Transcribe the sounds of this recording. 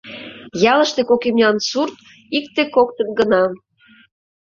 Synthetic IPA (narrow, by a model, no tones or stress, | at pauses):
jɑlə̆ʃt̪ekokemnʲɑnsurt̪ | ikt̪ekokt̪ənɡənɑm